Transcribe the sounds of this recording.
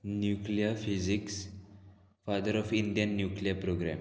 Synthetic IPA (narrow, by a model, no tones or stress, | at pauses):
njukliəfiziks | fad̪əɾɔfiɳɖijə̃nːjukliəpɾoɡɾæ̰̃m